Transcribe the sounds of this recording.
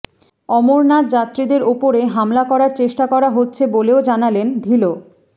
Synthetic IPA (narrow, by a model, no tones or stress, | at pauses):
ɔmoɾnat̪d͡ʑat̪ːɾid̪eɾopoɾeɦamlakɔɾaɾt͡ɕeʃʈakɔɾaɦotːɕʰeboleod͡ʑanalend̪ʱilo